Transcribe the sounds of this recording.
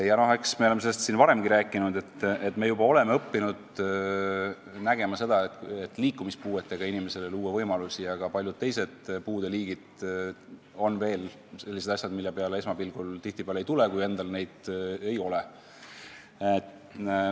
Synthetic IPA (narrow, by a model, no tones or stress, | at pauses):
jɑno̞heksmeolemee̞lːest̪sinvɑɾe̞mɡ̥iɾæːkːˑinud̪e̞t̪ːet̪me̞jubɑo̞le̞meɤpːinud̪̥ | næɡ̥e̞mɑse̞d̪ɑet̪et̪ːˑliːkːˑumispuːet̪ːˑe̞ɡ̥ɑinime̞se̞leluːevɤjmɑlusiɑɡ̥ɑpɑljud̥̪̚t̪e̞jse̞d̪̥puːd̪̥e̞liːɡ̥id̪̥ | o̞nːve̞ːl | se̞lːis̬ed̪ɑsʲjɑd̪milːepeɑlee̞smɑpilɡ̥ult̪iht̪ipeɑlejt̪ulekuje̞nd̪̥ɑlne̞jd̪̥e̞jo̞le